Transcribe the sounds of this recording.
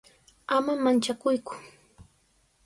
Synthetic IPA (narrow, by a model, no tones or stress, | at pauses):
amamant͡ʃakʊjkʊ̥